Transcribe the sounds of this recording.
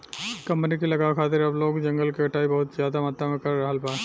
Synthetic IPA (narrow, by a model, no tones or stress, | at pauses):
kɐ̃mpnikilɐɡakʰaːt̪ɪɾɐbloːɡd͡ʒɐ̃ŋɡəlkiɐʈaːibɐɦʊt̪zjaːd̪amaːt̪amẽkɐɾːɐɦəlpaː